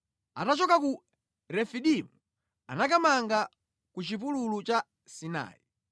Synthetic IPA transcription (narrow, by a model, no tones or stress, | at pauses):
a̰tat͡ʃɔkaku | ɾɛfiɗimu | a̰nakamaŋɡa | kut͡ʃip̬ululut͡ʃa | sina̰ːi